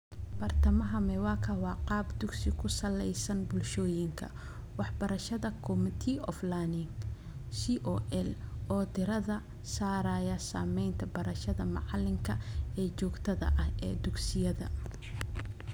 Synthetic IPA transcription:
b̥ɐrt̪ʰɐmɐɦɐmɛwɑːkʰɐwɑːqɑːbd̪ʊɡsɪkʰʊsɐlɛjsɐnbʊlʃɔːjɪŋkʰɐ̰ | wɑħbɐɾɐʃɐðɐkʰɔmt̪ʰiɔ̰flanɪŋ | siʔɔːʔɛlʔɔːt̪ɪɾɐðɐ | saːɾaːjɐsaːmɛjnt̪ʰɐbɐɾɐʃɐðɐmɑ̰ʕɑlɪŋkʰɐɛːt͡ʃɔːɡt̪ʰɐðɐ̰ʔɐhɛ̰ːd̪ʊɡsɪjɐðɐ̰

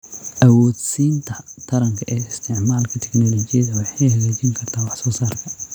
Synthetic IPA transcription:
ʔɐwɔːd̪siːnt̪ʰɐt̪ʰɐɾɐŋkʰɐʔɛːɪst̪ʰɪʕmaːlkʰɐt̪ʰɛknɔlɔt͡ʃɪjɐðɐwɑħɛhɐɣɛːt͡ʃɪŋkʰɐrt̪ʰaːwɑħsɔːsaːrkʰɐ

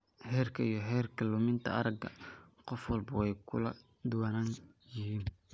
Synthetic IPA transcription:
hɛːrkʰɐijɔɦɛːrkʰɐlʊmɪnt̪ʰɐ̰ɐɾɐɡɐ̰qɔfwɑlbɐwɛjkʰʊ̰lɐ | d̪ʊwɐnaːnjɪɦiːn

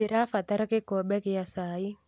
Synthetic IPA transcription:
ɪɾafat̪aɾakɪkɔbɛkɪjasaːi

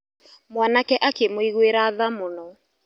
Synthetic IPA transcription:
mwanakɛʔakemoiɣweɾaːðamonɔ

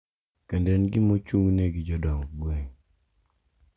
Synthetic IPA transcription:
kendɛnɡɪmot͡ʃuŋneɡɪd͡ʒɔdɔŋɡweŋ

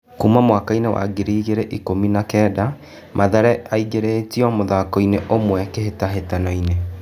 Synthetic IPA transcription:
kuːmamwakainewa̰ɡeɾiːɣeɾeʔikominakɛːda | mʔaðɛɾɛaiɡeɾetiɔmoðakɔineʔomwɛkeɦetaɦetanɔine

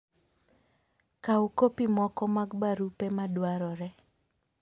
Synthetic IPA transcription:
kaukopimɔkɔmaɡbaɾupemadwaɾɔɾɛ

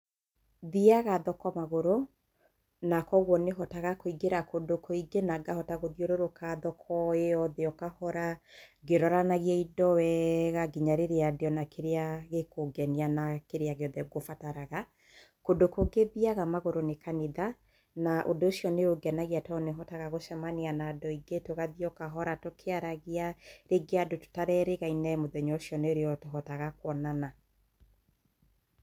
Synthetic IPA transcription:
ðiaɣaðɔkɔmaɣoɾo | nakɔɣwɔneɦɔtaɣakoiɡeɾakodokʰoiɡenaɡahɔtaɣoðioɾoɾokaðɔkʰɔeɔðeɔkahɔɾaɡeɾɔɾanaɣjɛidɔwɛɣaɡiɲaɾeɾeadeɔnakeɾeaɣekoɡɛnianakeɾeaɣeɔðɛɡofataɾaɣa | kodokoɡeðiaɣamaɣoɾonekaniða | naʔodoːʃjɔneoɡɛnaɣiatɔneɦɔtaɣaɣoʃɛmaneanaːdɔiɡetoɣaðiɔkaɦɔɾatokʰeaɾaɣiaɾeɡeadoto̥taɾɛɾeɣainamoðɛɲɔosjɔneɾeɔtoɦɔtaɣakwɔnana

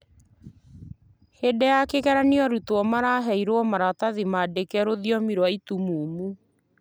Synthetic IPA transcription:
hedɛjakekɛɾaniɔɾutwɔmaɾaɦɛiɾoɔmaɾataðimadekɛɾoðjɔmiɾwaitumuːmu

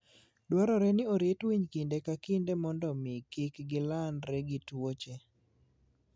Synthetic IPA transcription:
dwaɾɔɾɛnɪoɾetwiɲkindekakindemɔndɔmɪkɪkɡɪlanɾɛɡɪtwot͡ʃe

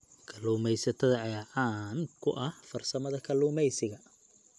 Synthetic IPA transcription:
kʰɐluːmɛjsɐt̪ʰɐðɐʕɛʕaːnkʰʊʔɐhfɐrsɐmɐðɐkʰɐluːmɛjsɪɣɐ

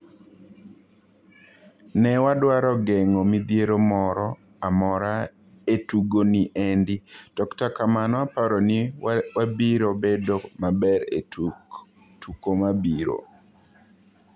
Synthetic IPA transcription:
nɛwadwaɾɔɡɛŋomid̪jeɾomɔɾɔ | amɔɾa | etuɡoniʔendid̥ɔktakamanɔapaɾɔniwabiɾobedomabɛɾe | tukomabiɾo̰

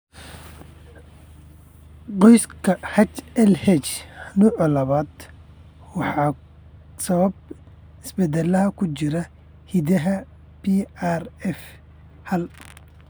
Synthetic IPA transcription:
qɔjskʰɐhɐt͡ʃɛlhɛt͡ʃnuːʕɔlɐβaːd̪ | wɑħɑː | sɐβɐb̚ | ɪsbɛd̪ɛlɐɦɐkʰʊt͡ʃɪɾɐ | hid̪ɐɦɐ | birɛf | hɐl

